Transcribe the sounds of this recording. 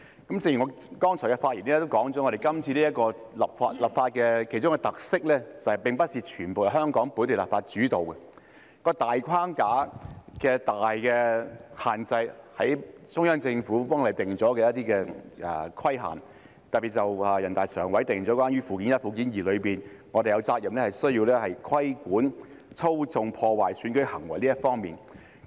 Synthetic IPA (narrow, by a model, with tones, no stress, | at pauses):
kɐ˨˥mt͡sɪ˧ŋji˨˩ŋɔː˨˧˥kɔː˥ŋt͡sʰɔ˨˩kɛ˧faː˧t̚jiː˨˩nɛ˥t̪o˥wkɔː˨˥ŋt͡sɔ˨˥ŋɔː˨˧ɾe˨˩jkɐ˥mt͡sʰi˧liː˥jɐ˥t̚kɔː˧ | lɐ˨p̚faː˧t̚lɐ˨˩p̚faː˧t̚kɛː˧kʰe˨˩t͡ʃʊ˥ŋɛ˧t̪ɐ˨k̚sɪ˥k̚lɛː˥t͡sɐ˨˩hɐ˨jpɪ˨ŋpɐ˥t̚siː˨t͡ʃʰyː˨˩npo˨jɐ˨˩ɦœː˥ŋkɔː˨˥ŋpuː˨˥nt̪ʰlɐ˨pfaː˧t̚t͡ʃyː˨˥t̪o˨wkɛ˧ | kɔː˧t̪aː˨jkʰaː˥ŋkaː˨˥kɛː˧t̪aː˨jkɛː˧haː˨nt͡sɐ˧jhɐ˨˥j | t͡sʊ˥ŋjœː˥ŋt͡sɪ˧ŋfuː˨˥pɔː˥ŋle˨˩t̪ɪ˨ŋt͡sɔː˨˥kɛː˧jɐ˥t̪̚iː˥kɛː˧ɛ˨˧kʰɐ˥jɦa̰ː˨˩n | t̪ɐ˨pi˨˩t̚t͡sɐ˨wɐː˨jɐ˨˩nt̪aː˨jsœː˨˩ŋwɐ˨˥jt̪ɪ˨˩ŋɔː˨˥kwaː˥njyː˥fuː˨kiː˨˥njɐ˥t̚fu˨˧k̬iː˨˥njiː˨˩lɵ˨˧ɥpiː˨˩nŋɔː˨˧de˨jɐ˨˧wt͡saː˧k̚jɐ˨mlɛː˥hɐ˨jsɵ˥ɥjiː˧wlɛː˥hɐ˨jkʰɐ˥jkuː˨˥n | t͡sʰo˥wt͡sʊ˧ŋpʰɔː˧waː˨jsyː˨˥nkɵ˨˥ɥhɐ˨˩ŋwɐ˨˩jliː˥jɐ˥fɔː˥ŋmiː˨˩n